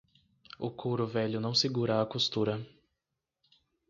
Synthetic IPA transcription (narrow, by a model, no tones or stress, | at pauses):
ʊkʰoɾʊvɛʎʊnɐ̃w̃sɪɡuɾɐːkost̪uɾɐ